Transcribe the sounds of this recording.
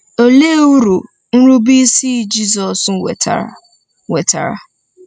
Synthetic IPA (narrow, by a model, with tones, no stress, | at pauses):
o˨le˦wu˦ɾu˨ | n̩˦ɾu˦bi˦si˦d͡ʒi˦zɔ˨s̩˨˦wḛ˨ta̰˨ | we˨ta̰˨ɾa̰˨